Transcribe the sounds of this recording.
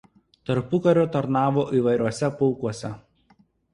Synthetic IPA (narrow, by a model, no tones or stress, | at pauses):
t̪ɐɾpʊkɐɾʲoːt̪ɐɾnɑːʋoːʔiːʋɐɪɾʲuɔsʲɛpɔʊkuɔsʲɛ